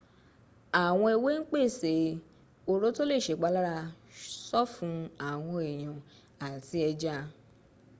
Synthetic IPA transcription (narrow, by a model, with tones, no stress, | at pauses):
a˨w̃ɔ̃˧e˧we˦n̩˦k͡pe˦˨se˨ | o˧ɾo˦to˦le˦˨ʃe˨k͡pa˨˧˦la˦ɾa˧sɔ˦fũ˧a˨w̃ɔ̃˧e˨j̃ɔ̃˨ | a˨ti˧ɛ˧d͡ʒa˦